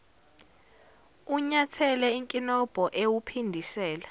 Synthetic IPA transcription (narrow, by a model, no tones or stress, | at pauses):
uɲatʰɛlɛiŋkʼinɔb̥ʱɔʔewupʰindʱisɛːla